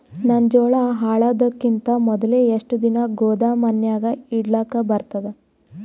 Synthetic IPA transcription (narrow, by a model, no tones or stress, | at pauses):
nɐnd͡ʒɔːɭɐɦaːɭaːd̪ɐkːint̪ɐmɔd̪ɐleːeʂʈud̪inɐɡɔːd̪aːmɐnjaːɡɐiɽlaːkɐbɐɾt̪ɐd̪e